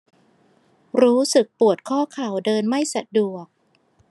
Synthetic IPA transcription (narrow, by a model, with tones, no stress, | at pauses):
ɾuː˦˥sɯ˨˩k̚pu˨˩ət̪̚kʰɔː˥˩kʰa˨˩wdɤː˧nma˥˩jsa˨˩du˨˩ək̚